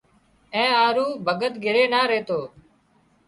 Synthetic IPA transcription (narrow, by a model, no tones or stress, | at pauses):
ẽːaːɾuːbʱəɡət̪ɡʱɪɾeːnaːɾeːt̪oː